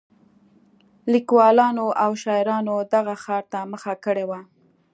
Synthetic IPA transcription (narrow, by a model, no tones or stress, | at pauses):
likwɑlɑnoʔawʃɑɪɾɑnod̪aɣaxɑɾt̪aməxakəɽewa